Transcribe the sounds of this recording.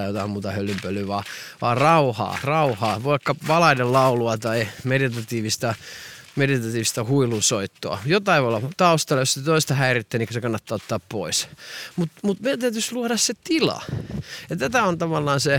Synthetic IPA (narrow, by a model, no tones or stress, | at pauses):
jot̪ɑimmuːt̪ɑhølːympølˑyʋɑːʋɑ̰ːrɑuhɑ̰ːrɑuhɑːʋoikːɑʋɑlɑinellɑuluɑt̪ɑimedit̪ɑt̪iːʋist̪ɑmedit̪ɑt̪iːʋist̪ɑhuilunsoit̪ːo̰ɑ̰jot̪ɑiʋoolːɑt̪ɑust̪ɑlːɑjoset̪oist̪ɑhæirit̪ːæniːkːsekɑnːɑt̪ːɑːot̪ːɑːppoismut̪mut̪mit̪æyt̪ysluoɾɑsset̪ilɑ̰jɑt̪æt̪æont̪ɑʋɑlːɑːnse